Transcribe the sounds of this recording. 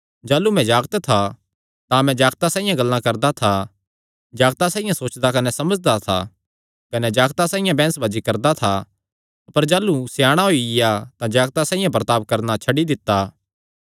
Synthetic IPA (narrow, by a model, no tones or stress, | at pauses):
d͡ʒaːlumɛ̃d͡ʒaːɡt̪t̪ʰa | t̪ãmɛ̃d͡ʒaːɡt̪asãːijãɡɐlːãkɐɾd̪at̪ʰa | d͡ʒaːɡt̪asaːijãsoːt͡ʃd̪akɐnɛsɐməd͡ʒd̪at̪ʰa̰ | kɐnɛd͡ʒaːɡt̪asãːijãbɛ̃ːnsbad͡ʒikɐɾd̪at̪ʰa | ɐpəɾd͡ʒaːlusjaːɽ̃aɦoiɪjat̪ãd͡ʒaːɡt̪asãːĩjãpɾət̪aːʋkɐɾnat͡ʃʰɐɖid̪ɪt̪ːaː